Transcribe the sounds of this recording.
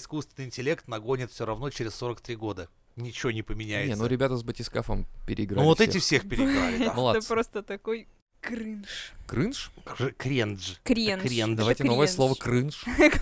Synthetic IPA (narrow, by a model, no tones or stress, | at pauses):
ɪskust̪vʲɪnɨɪnʲtʲɪlʲe̞kt̪nɐɡo̞nʲɪt̪fsʲoɾɐvno̞t͡ɕeɾʲɪsːo̞ɾəkt̪ɾʲiɡo̞d̪ə | nʲɪt͡ɕɪvonʲɪpəmʲɪnʲæjnenuəɾʲɪbʲat̪əzbətʲɪskafə̰mpʲɪɾʲɪɡɾavot̪ɛɪfsʲexpʲɪɾʲɪɡɾa̰lʲɪɛmlˠat̪əpɾost̪ət̪ɐkoj | kɾɨnʂkɾɨnʂkɨkɾʲenʐɨkɾʲenkɾʲend̪ɐajtʲɪnovəjəslˠo̞vəkɾɨnʂ